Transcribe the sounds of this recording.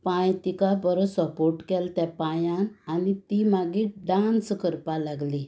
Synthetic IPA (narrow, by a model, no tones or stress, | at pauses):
pãjt̪ikabəɾosəpoɾʈkɛlt̪japãjãnanit̪imaɡiɖãnskəɾpalaɡli